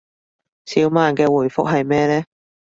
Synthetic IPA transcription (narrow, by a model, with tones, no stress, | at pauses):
siː˨˥wmaː˨nkɛː˧wuː˨˩jfʊ̰˥k̚ɦɐ˨jmɛː˥lɛː˥